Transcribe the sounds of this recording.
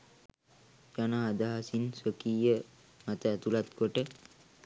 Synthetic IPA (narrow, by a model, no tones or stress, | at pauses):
d͡ʒanaɦad̪aɦasinsokiːjə | mat̪əæt̪ulat̪koʈə